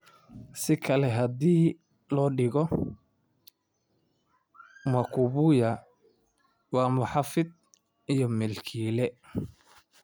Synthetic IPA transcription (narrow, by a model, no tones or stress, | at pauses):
sɪkʰɐlɛɦɐd̪iː | lɔːɖɪɣɔ | mɐkʰʊβʊjɐ | wɑːmʊħɑfɪd̪̚ | ijɔmɛlkʰiːlɛ